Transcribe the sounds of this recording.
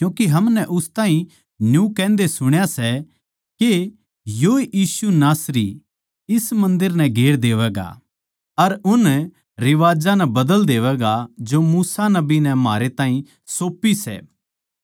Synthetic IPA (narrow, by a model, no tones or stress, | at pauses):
kjũːkiɦɐmnɛʔʊst̪ãːɦĩ | njũkɛ̃ːnd̪esʊɽ̃jasɛ | ke | joːeʔiːsunaːsɾi | ɪsmɐ̃nd̪ɪɾnɛɡʱeːɽd̪eːʋɛːɡa̰ | ɐɾʊn | ɾɪʋaːd͡ʒãnɛbɐd̪əld̪eːʋɛːɡad͡ʒomuːsanɐbinɛmaːɾet̪ãːɦĩ | soːpːisɛ̰ː